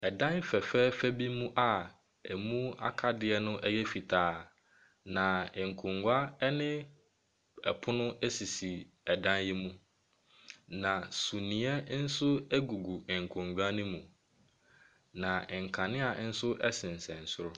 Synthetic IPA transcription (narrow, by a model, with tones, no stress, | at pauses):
ɛ˨dã˦n˦fɛ˨fɛ˦fæ˦bi˦mũ˦ʔa˨ | ɛ˨mũ˦a̰˦kʰa˦dɪ˨ɛ˦nʊ̃˦ʔɛ˦jɛ˦fi˨tʰaː˨˦ | nã˨ɪ̃˨ŋ̩˨kʰʊ̃˨ŋɡʷa˦ɛ˦nɪ̃˦ | ɛ˨pʰʊ˦nʊ̃˦ɛ˦si˨si˨ | ɛ˨dã˦nji˦mũ˦ | nã˨su˨nĩ˨˦ɛ˦n̩˦sʊ˦ɛ˦ɡu˨ɡu˨ŋ̩˨kʰʊ̃˨ŋɡᶣa˦nĩ˦mũ˨ | nã˨ɛ˨ŋ̩˨kʰã˨nɪ̃˦a˨n̩˦sʊ˦ʔɛ˦sɪ̃˨n̩˨sɛ̃˨n̩˨sʊ˦ɾʊ˦